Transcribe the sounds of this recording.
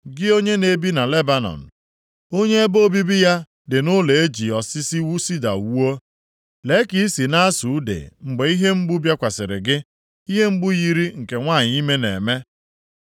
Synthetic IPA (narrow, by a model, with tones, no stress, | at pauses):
ɡɪ˦o˦ɲe˦ne˨bi˦na˨le˦ba˦nɔ̰˨n̩˨ | o˦ɲe˦e˦bo˦bi˦bi˦ja˦ | dɪ˨nʊ˦le˨e˦d͡ʒi˨ɔ˨sɪ˦si˦wu˦si˦da̰˨wu˦o˦ | le˨˦ki˦i˦si˨na˦su˨˦dḛ˨ŋ͡m̩˨ɡ͡be˨i˦ɦe˦ŋ͡m̩˦ɡ͡bʊ˦bja˦kʷa˨sɪ˨ɾɪ̰˨ɡɪ˦ | i˦ɦe˦ŋ͡m̩˦ɡ͡bʊ˦ji˦ɾi˦ŋ̩˨ke˨ŋʷaː˦˨ɲ˦i˦me˦nḛ˨me˦